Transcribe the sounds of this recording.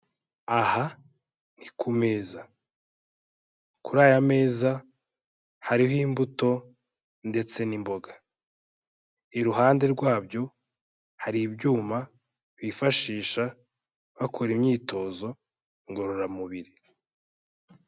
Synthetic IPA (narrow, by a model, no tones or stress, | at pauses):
aha | nikʰume̞ːza | kuɾaːjame̞ːza | haɾiɦimbuto̞ | nde̞t͡se̞nimbo̞ɡḁ | iɾuɦaːnde̞ɾɡwaːbjo̞ | haɾibɟuːma | βifaʃiːʃa | βakʰoɾimɲiːto̞ːzo̞ | ŋɡo̞ɾo̞ɾamuβiɾi